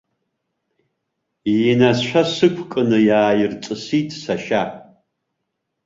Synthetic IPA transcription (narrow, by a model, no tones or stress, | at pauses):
nasʃʷʰasɨkʷʰkʼɨnɨjaːjɪrt͡sʼɨsitʼsaʃa